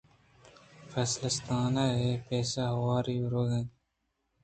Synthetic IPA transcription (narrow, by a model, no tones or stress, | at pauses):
fesləst̪aːnaɦeːpeːsaɦɐwaːɾiːɾoːɡɐ̃n